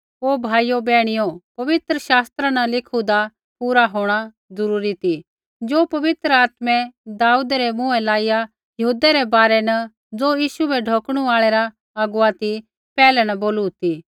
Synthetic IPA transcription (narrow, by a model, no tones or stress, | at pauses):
oːbʱaːijobɛːɽ̃ɪjopɐʋɪt̪ɾəʃaːst̪ɾanɐlɪkʰud̪a | puːɾaɦoːɽ̃a | zɐɾuːɾit̪i | d͡ʒoːpɐʋɪt̪ɾəaːt̪mɛ̃d̪aːuːd̪ɾɛmũɛlaːija | jɐɦuːd̪ɛɾɛbaːɾɛnɐ | d͡zoːjiːʃubɛɖʱoːkɽ̃uaːɭɛɾa | ɐɡuat̪i | pɛːlɛnɐboːlut̪i